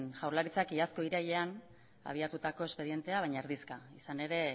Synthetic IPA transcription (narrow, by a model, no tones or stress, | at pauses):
nʝawɾlaɾit͡sakiasko̞iɾaje̞an | a̰β̞iat̪ut̪ako̞e̞spe̞ðie̞nt̪e̞aβ̞ajɲaeɾðiskaisane̞ɾe̞